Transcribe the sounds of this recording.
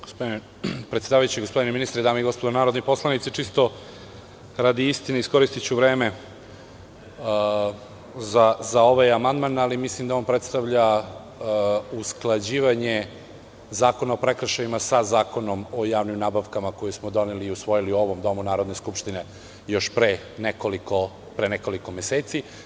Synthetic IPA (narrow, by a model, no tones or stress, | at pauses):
ɡospod̪ine | pɾet̪sed̪aːʋajut͡ɕiɡospo̞d̪ineminist̪ɾed̪aːmeiɡo̞spod̪onaːɾod̪nipo̞slˠanit̪sit͡ʂist̪o̞ | ɾad̪iist̪ineiskoɾist̪it͡ɕuʋɾeːme | zazao̞ʋajamand̪manalimislimd̪ao̞npɾe̞t̪st̪aʋʎa | usklˠad͡ʑiːʋaɲe | zaːko̞nao̞pɾe̞kɾaʃajimasazaːko̞no̞mojaːʋnimnaːbaʋkamakojusmod̪o̞neliːusʋo̞jiliuo̞ʋo̞md̪o̞munaːɾo̞d̪ne̞skupʃt̪ine̞ | jo̞ʃpɾe | nekoliko | pɾeneko̞liko̞meseːt̪si